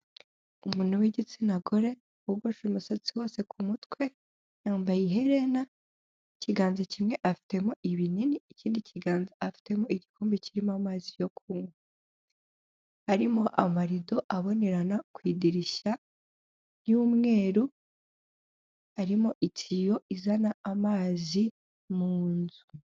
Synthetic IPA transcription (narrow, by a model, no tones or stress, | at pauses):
umuːn̥uwiɟit͡sinaɡoɾe̞ | uɡoʃumusat͡siwo̞ːse̞kʰumutkwe̞ | jaːmbajiɦe̞ɾe̞na | iciɡaːnzacimŋe̞ʔafi̥te̞mo̞ʔiβininiːciːndiciɡaːnzaafi̥te̞mo̞iɟikuːmbiciɾimamaːzijo̞kʰuːŋɡo | aɾimo̞ʔamaɾido̞ʔaβo̞ne̞ɾanakwiːdiɾiʃa | njuːmŋe̞ːɾu | aɾimo̞ʔit͡sijo̞ʔizanaamaːzi | muːnzu